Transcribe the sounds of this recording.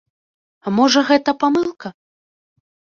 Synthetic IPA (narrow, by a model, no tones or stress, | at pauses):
amɔʐɐɣɛt̪ɐpamɨlˠkɐ